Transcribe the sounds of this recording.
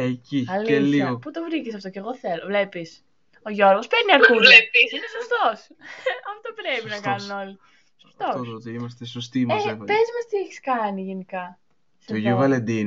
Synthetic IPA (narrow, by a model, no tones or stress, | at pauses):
eciɐlieliɐoput̪o̞vɾicesɐft̪o̞ceɣo̞θelovle̞pis | o̞ʝo̞ɾɣo̞speɾniɐɾkueissoft̪o̞s | ɐft̪opɾepinɐkɐnuno̞li | so̥ft̪ost̪iimɐst̪esost̪imepezmɐst̪ieçi̥skɐniʝenikɐ | st̪oiʝuovɐlend̪in